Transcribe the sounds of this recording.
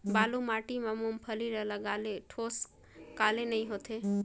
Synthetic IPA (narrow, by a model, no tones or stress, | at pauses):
balumaʈimamumpʰəliɾəɦlaɡaleʈʰos | kalenəiɦot̪ʰe